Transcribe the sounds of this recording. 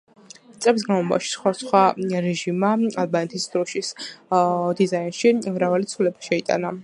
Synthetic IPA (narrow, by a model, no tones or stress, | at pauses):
t̪sʼɛbis̬ɡanmlˠɔba̰ʃi̥sχwasχwaɾɛʒimaalˠbanɛt̪ʰisd̪ɾɔʃis | d̪izainʃimɾavalit̪sʰulɛbḁʃɛit̪ʼa̰na